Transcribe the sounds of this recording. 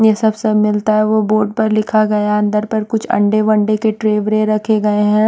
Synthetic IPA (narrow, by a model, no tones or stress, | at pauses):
jesɐbsɐmɪlt̪aɦɛʋoboːɾɖ̚pɐɾlɪkʰaɡɐjaɐ̃nd̪əɾpɐɾkʊt͡ʃʰɐ̰̃ɳɖeʋɐ̃ɳɖekeʈɾeːʋɾẽɾɐkʰeɡɐeɦɛ̃ː